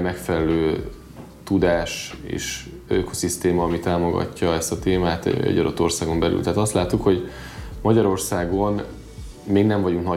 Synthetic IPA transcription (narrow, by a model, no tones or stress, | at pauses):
mɛkfɛlɛløː | t̪ud̪aːʃḛːʃ | øko̞̥sist̪eːmɒːmit̪aːmo̞ɡɒ̰cːɒɛst̪ɒt̪eːmaːt̪ɛ̰ɟɒd̪o̞̰t̪ːo̞rsaːɡo̞mbɛly̰lt̪aɦːt̪ɒst̪laːt̪ːukho̞ɟ | mɒɟɒɾo̞rsaːɡo̞n | meːɡnɛɱvɒɟuŋknɒ